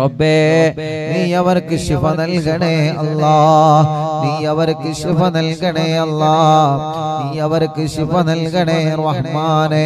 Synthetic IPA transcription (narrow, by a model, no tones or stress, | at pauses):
ɾɐbːeː | niːɐʋɐɾkːɯʃɪfɐnɐlɣɐɳeːɐlːɑː | niːɐʋɐɾkːɯʃɪfɐnɐlɣɐɳeːɐlːɑː | niːɐʋɐɾkːɯʂɪfɐnɐlɣɐɳeːɾɐhmaːneː